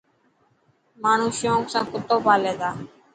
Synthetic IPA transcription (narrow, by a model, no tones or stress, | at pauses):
maːɳ̤ũːʃɪjõːksãːkʊt̪oːpaːlẽːd̪aː